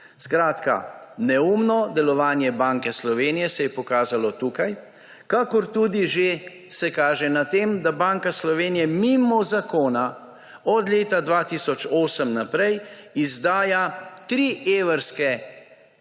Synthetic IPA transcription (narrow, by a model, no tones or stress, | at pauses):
skɾaːt̪ka̰nɛumnɔd̪ɛlɔʋaːnjɛbaːŋkɛslɔʋeːnijɛsɛjɛpɔkaːzalɔt̪uːkaj | kakɔɾt̪ud̪iʒe | sɛkaːʒɛnat̪emd̪abaːŋkaslɔʋeːnijɛmimɔzakoːna | ɔd̪leːt̪ad̪ʋaːt̪isɔt͡ʃoːsəmnapɾɛjizd̪aːjat̪ɾiʔeʋəɾskɛ